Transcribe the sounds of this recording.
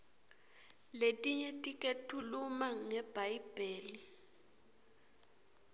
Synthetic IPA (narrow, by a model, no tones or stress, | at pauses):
letʼiɲɛtʼikʼetʰulumaŋɛb̥ʱajb̥ʱeːli